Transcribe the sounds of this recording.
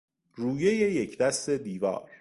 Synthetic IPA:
ruːjejejecʰd̪æst̪e̞d̪iːvɒ̰ːɾ

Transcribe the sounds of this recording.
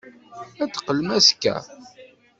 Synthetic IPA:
æt͡sːə̥qːəlmæskːæ̰

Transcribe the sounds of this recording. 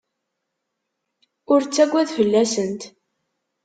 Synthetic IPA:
ʊɾt͡sːæɡʷːæðfəlːæsənt̪

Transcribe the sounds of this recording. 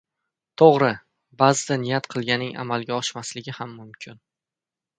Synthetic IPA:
t̪ʰoʁɾɪ | bazɪd̪anɪjat̪qʰɨlˠɡʲanɪŋʔa̰malˠɡʲaɒʃmaslɪɡʲɪhamːʊmkʲʰɪn

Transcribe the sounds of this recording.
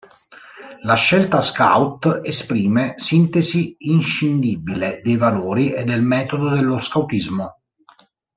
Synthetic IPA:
laʃːelt̪aska̰wt̪espɾiːmesint̪eziːnʃind̪ibiled̪ejvaloːɾiʔed̪ːelmɛːt̪od̪od̪elːoskawt̪izmo

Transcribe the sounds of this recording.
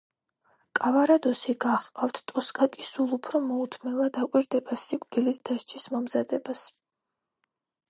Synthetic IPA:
kʼavaɾad̪ɔsiɡaχqʼaft̪ʰt̪ʼɔskʼakʼisulˠupʰɾɔmɔut̪ʰmɛvad̪akʼwiɾd̪ɛbasikʼd̪ilit̪ʰd̪̥aʃt͡ʃʰismɔmzad̪ɛbas

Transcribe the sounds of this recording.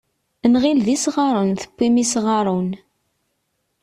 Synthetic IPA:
nʁilðisʁɑɾˤunθə̥kʷːimisʁɑɾˤun

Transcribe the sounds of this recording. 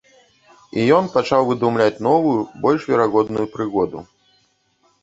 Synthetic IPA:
ijɔnpat͡ʂawvɨd̪umlʲat͡sʲnɔvujubɔlʲʂvʲɛɾaɣɔd̪nujupɾɨɣɔd̪ṵ

